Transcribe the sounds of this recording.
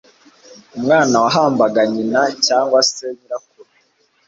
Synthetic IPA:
umŋaːnawaɦaːmbaɡaɲinacaːŋɡwaseɲiɾakuɾe

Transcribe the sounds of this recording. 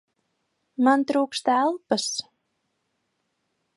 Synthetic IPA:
mant̪ɾuːkst̪ælˠpəs

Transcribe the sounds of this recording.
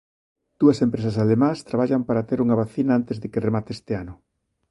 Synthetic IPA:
d̪̥uɐsempɾes̬ɐs̬alemãst̪ɾaβaʎampaɾat̪eɾuŋɐβaθinaant̪ezðɪkeremat̪est̪eanʊ

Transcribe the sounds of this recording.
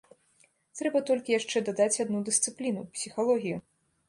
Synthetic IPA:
t̪ɾɛbɐt̪ɔlʲkʲijaʂt͡ʂɛd̪ad̪at͡sʲad̪nud̪ɨst̪sɨplʲinupsʲixalˠɔɣʲiju

